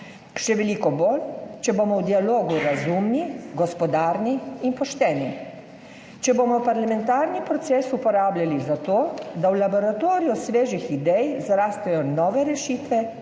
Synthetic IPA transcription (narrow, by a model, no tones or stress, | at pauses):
ʃɛʋɛliːkɔboːlt͡ʃɛboːmɔwd̪ialoːɡuɾazumniɡɔspɔd̪aːɾniinpɔʃt̪ɛːni | t͡ʃɛboːmɔwpaɾlamɛnt̪aːɾnipɾɔt̪seːsupɔɾaːblʲjalizat̪oːd̪awlabɔɾat̪oːɾijɔsʋeːʒixid̪ɛjzaɾaːst̪ajɔnɔːʋɛɾɛʃiːt̪ʋɛ